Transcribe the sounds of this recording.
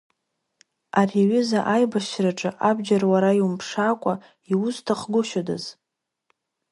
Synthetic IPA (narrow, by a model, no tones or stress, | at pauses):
ariɥʏzaʔajbaʃraʈ͡ʂʼɨʔabd͡ʒarwaɾaiwumpʰʂakʷʼa | iʊztʰaχɡʷʊʃada̰z